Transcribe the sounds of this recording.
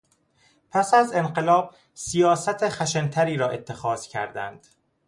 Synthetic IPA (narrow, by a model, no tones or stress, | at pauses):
pʰæsæze̞nɢe̞lɒːb̥̚ | sijɒːsæt̪ʰexæʃent̪ʰæɾiːɾɒːʔe̞t̪ʰːe̞xɒːz̥cʰæ̰ɾd̪æ̰nd̪̥